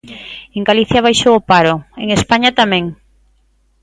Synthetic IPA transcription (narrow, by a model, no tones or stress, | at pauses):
eŋɡaliθjaβajʃowopaɾʊeŋespaɲat̪amɛ̃ŋ